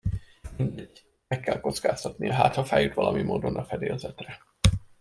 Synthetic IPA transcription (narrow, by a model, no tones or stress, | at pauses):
mind̪ɛɟ | mɛkːɛlko̞t̪skaːst̪ɒt̪nijɒɦaːt̪hɒfaːjut̪ʋɒlɒmimoːd̪o̞nɒfɛd̪eːlzɛt̪rɛ